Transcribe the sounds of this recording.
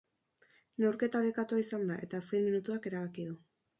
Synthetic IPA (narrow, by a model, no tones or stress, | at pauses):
ne̞wɾke̞t̪aoɾekat̪uaisand̪aʔe̞t̪aːskenminut̪uake̞ɾaβ̞akiðu